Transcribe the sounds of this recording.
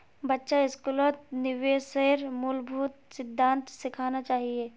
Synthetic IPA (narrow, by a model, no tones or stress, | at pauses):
bɐtːʃaɪskulət̪̚nɪʋeːseɾmʊlbʱʊt̪sɪd̪ʱːãːnt̪sɪkʰaːnat͡ʃaːɦieː